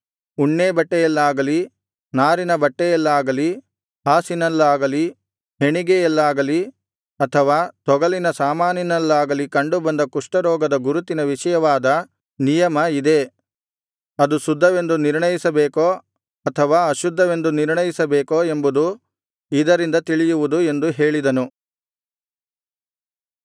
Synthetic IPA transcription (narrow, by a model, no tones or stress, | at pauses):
uɳːeːbɐʈːɛjɛlːaːɡɐli | naːɾinɐbɐʈːɛjɛlːaːɡɐli | ɦaːsinɐlːaːɡɐli | ɦe̞ɳiɡejɛlːaːɡɐli | ɐt̪ʰɐʋaːt̪ɔɡɐlinɐsaːmaːninɐlːaːɡɐlikɐɳɖubɐnd̪ɐkuʂʈɐɾɔːɡɐd̪ɐɡuɾut̪inɐʋiʂɐjɐʋaːd̪ɐ | nijɐmɐid̪e̞ | ɐd̪usud̪ʱːɐʋe̞nd̪uniɾɳɐjisɐbeːko | ɐt̪ʰɐʋaːɐʃud̪ʱːɐʋe̞nd̪uniɾɳɐjisɐbeːkoe̞mbud̪u | id̪ɐɾind̪ɐt̪iɭijuʋud̪ue̞nd̪uɦeːɭid̪ɐnu